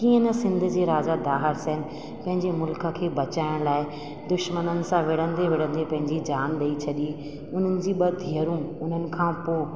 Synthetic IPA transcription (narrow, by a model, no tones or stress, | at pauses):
kiːə̃nɐsɪ̃nd̪ʱʊ̆d͡ʑeːɾaːd͡ʑad̪aːɦɪɾsɐɪnɪ̆ | pɐ̃ɦɪ̃ɲd͡ʑemʊlkə̆kʰeːbɐt͡ɕaːɪɽ̃laːɪ | d̪ʊʃmənənɪ̆sãʋɪɽ̤ə̃nd̪eʋɪɽ̤ə̃nd̪epɐ̃ɦɪ̃ɲd͡ʑid͡ʑaːnɗ̪ɐit͡ɕʰɐɗi | ʊn̤ənɪ̆d͡ʑiːɓɐd̪ʱiəɾũʊn̤ənɪ̆kʰãːpoː